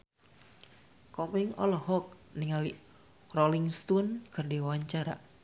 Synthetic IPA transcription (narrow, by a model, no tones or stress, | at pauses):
kɔpɛŋɔ̰lɔhɔk̚niŋali | roliŋst̪unkɨrdiwwaɲt͡ʃaɾa̰